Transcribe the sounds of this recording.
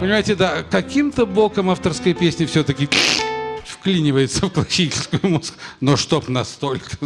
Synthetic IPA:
pənʲɪmajɪtʲɪd̪akɐkʲimt̪əblˠokəmaft̪ərskəjpʲesʲnʲɪfsʲot̪əkʲɪ | fklʲinʲɪvəjɪt̪səfklˠɐɕitʲɪlʲskʊjʊmusknoʂt̪opnɐst̪o̞lʲkə̥

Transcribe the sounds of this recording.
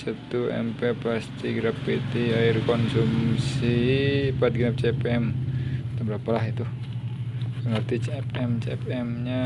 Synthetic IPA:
sət̪uɛ̰mpepast̪iɡɾapːit̪iaɪrkɔnsumsipat̪̚ɡɾap̚t͡ʃepɛmt̪abəɾapalaɦit̪u | əŋərt̪it͡ʃɛpɛmt͡ʃɛpɛmɲa

